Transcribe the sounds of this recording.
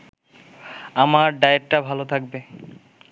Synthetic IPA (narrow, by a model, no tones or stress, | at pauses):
amaɾɖajeʈʈabʱalot̪ʰak̚be